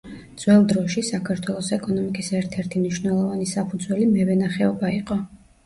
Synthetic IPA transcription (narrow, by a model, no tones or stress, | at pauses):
d̪z̥wɛlˠd̪ɾɔʃisakʰaɾt̪ʰwɛlˠɔsɛkʼɔnɔmikʼisɛɾt̪ʰɛɾt̪ʰimniʃwnɛlˠɔvanisapʰud̪zwɛlimɛvɛnaχɛɔbaiqʼɔ